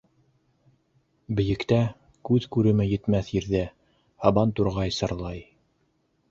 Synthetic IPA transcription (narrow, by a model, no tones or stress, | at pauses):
bɘ̆jɘ̆kt̪æ | kʉðkʉɾɘ̆mɘjɘ̆t̪mæθjĭɾðæ | hɑbɑnt̪uɾʁɑjsɤ̆ɾlˠɑj